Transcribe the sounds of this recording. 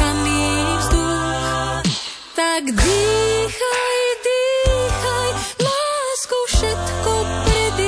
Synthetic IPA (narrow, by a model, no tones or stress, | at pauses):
amisd̪u | t̪akd̪ixajd̪ixajlaskowʃɛt̪kɔpɾɛd̪i